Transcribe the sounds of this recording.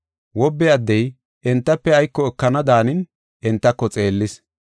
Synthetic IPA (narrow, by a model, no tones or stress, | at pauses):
wɔbːɛɐd̪ːɛj | ʔɪnt̪ːɐpːɛɐjkːɔɛkːɐnɐd̪aːnɪn | ʔɪnt̪ːɐkːɔt͡sʼe̞ːlːɪs